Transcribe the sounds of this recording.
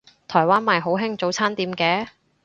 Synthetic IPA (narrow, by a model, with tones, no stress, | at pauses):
t̪ʰɔː˨˩jwaː˥nmaː˨jɦo˨˥wɦɪ˥ŋt͡so˨˥wt͡sʰaː˥nt̪iː˨˧mkɛː˨˥